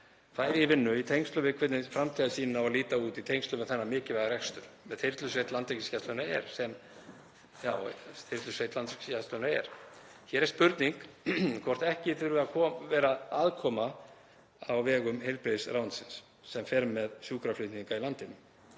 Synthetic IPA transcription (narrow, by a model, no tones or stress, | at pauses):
θaːjɾɪivɪnːʏit̪ʰejŋst̪lʏvɪkʰvɛt̪nɪfɾamt̪ʰiðɪsiːnɪnawaliːt̪auːt̪it̪ʰejŋkst̪lʏmɪθɛnːamɪːcɪvɛɣaɾɛkst̪ʏɾ̥mɛðθejɾ̥t̪lʏsvejt̪lant̪ekiscast̪œnaɛ̰ɾ̥sɛm | jaːwθejɾ̥t̪lʏsvejt̪lanɾe̥cscast̪lœnaɛ̰ɾ̥ | çɛɾɛ̥ɾ̥spʏɾt̪niŋkkʰvɔr̥t̪ɛhcɪθʏɾʏakʰɔvɛːɾaaːðkʰɔːma | awvɛːɣʏmhejlpɾeːjsɾawnsɪnsː | ɛmfɛːɾmɛðsjuːkɾaflɪht̪niŋkailant̪ɪnʏ